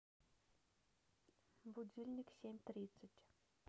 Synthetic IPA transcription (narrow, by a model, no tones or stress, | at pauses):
bud̪ʲilʲnʲiksʲemʲt̪rʲit̪sətʲ